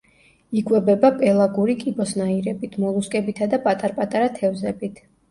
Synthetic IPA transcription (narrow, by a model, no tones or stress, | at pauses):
ikʼwɛbɛbapʼɛlˠaɡuɾikʼibɔsnaiɾɛbit̪ʰmɔlˠuskʼɛbit̪ʰad̪apʼat̪ʼaɾpʼat̪ʼaɾat̪ʰɛvzɛbit̪ʰ